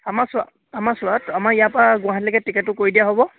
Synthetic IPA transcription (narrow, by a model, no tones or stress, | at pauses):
amasʊa | amasʊatamaɹijapaɡʊ̃aɦatlɛkɛtikɛtːʊkoɹidijaɦobɔ